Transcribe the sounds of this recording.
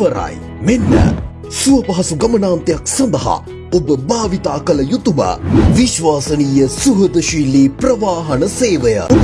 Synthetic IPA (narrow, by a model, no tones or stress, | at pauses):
ɐɾa̰j | menːə̰ | suɐpɐɦɐsuɡɐmɐnaːnt̪ijɐksɐnd̪ɐɦa̰ | obəbaːʋit̪aːkɐlɐjut̪umɐ̰ʋiʃʋaːsɐniːjəsuɦɐd̪ɐʃiːliːpɾɐʋaːɦɐnəseːʋəjə̰